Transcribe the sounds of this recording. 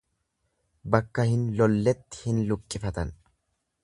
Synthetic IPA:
bɐkːɐhɪnlɔlːɛt̪ːɪ̥hɪnlʊkʼːɪfɐt̪ɐn

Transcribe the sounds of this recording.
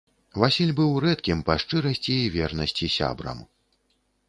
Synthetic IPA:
vasʲilʲbɨwɾɛt̪kʲimpɐʂt͡ʂɨɾɐsʲt͡sʲiːvʲɛrnɐsʲt͡sʲisʲa̰bɾɐ̰m

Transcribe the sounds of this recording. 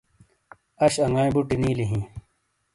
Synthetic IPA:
ɐɕɐŋɡãːĩbuʈiniːliɦĩː

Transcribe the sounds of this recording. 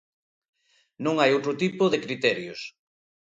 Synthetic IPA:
nõŋajowt̪ɾʊt̪ipʊðɪkɾit̪ɛɾjos

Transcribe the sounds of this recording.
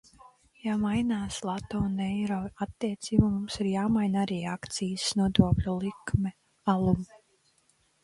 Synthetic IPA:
jamajnaːslˠat̪ounɛjɾɔat̪ːiɛt̪siːbumumsiɾjaːmajnaɾiːakt̪sijsnuɔd̪uɔklʲulˠikmɛ | alˠum

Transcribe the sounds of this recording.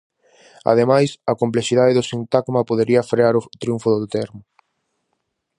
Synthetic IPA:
a̰ð̞emajsɐkomplesiðaðeðʊsint̪aɡmɐpoðeɾiɐfɾeaɾot̪ɾiuɱfʊðot̪ɛɾmʊ

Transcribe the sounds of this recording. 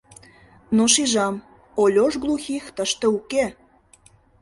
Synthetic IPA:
noʃiʒɑm | olʲoʃɡlˠuxixt̪əʃt̪euke

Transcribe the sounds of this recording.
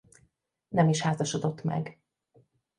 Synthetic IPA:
nɛmiʃhaːzɒʃo̞d̪o̞t̪ːmɛ̰ɡ

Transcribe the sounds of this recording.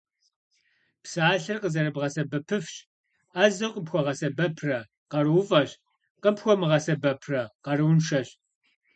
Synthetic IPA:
psaːɬɨrqəzɐɾɨbʁɐsɐbɐpʰɨfɕ | azɐwqʷʼəpxʷɔʁɐsɐbɐpʰrɐ | qɐrɨwfʼɐɕ | qəpxʷɔmɨʁɐsɐbɐpʰrɐqɐrɨwnʂɐɕ

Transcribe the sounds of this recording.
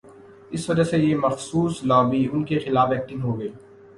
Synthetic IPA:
ɪsʋɐd͡ʒasejemɐxsuːslɔːbiʊnkexɪlaːfɛːk̚ʈɪ̃nɦoːɡɐeː

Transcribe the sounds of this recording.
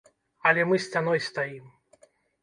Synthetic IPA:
ɐlʲɛmɨsʲt͡sʲan̪ɔjst̪ajim

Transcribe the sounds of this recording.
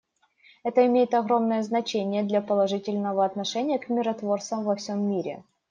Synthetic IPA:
ɛt̪əɪmʲejɪt̪ɐɣɾo̞mnəjəznɐt͡ɕenʲɪjəd̪lʲapəlˠɐʐɨtʲɪlʲnəvəɐt̪nɐʂɛnʲɪjəkmʲɪɾɐt̪vo̞rt̪səmvɐfsʲo̞mːʲiɾʲɪ̰

